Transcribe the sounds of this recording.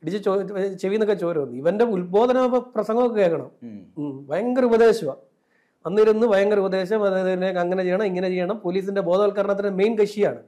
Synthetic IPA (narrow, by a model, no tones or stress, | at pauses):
iɽit͡ɕːɨt͡ɕot͡ɕeʋinːokːet͡ɕo̞ːɾuunːɨiʋɐnde̞ulbo̞ːd̪ʱɐnɐɐɐprɐsɐŋɡɐmokːeeːkːɐɳɐ̰m | ʋɐjɐŋɡɐrubɐd̪e̞ːɕɐʋɐ | ɐnːiɾunːɨʋɐjɐŋɡɐrubɐd̪e̞ːɕɐmɐnekɐŋːɐnet͡ɕejːɐɳɐmiŋːɐne̞t͡ɕe̞jːɐɳɐmpoːliːs̬inde̞bo̞ːd̪ʱɐʋɐlkaɐɾɳat̪ːɐmejnkɐʂijaːɳɨ